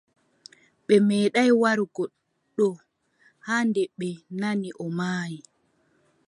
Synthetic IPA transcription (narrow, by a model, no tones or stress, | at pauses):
ɓɛmɛːɗajwaɾɡɔ | ɗɔ | haːndɛɓːɛnaniʔɔmaːji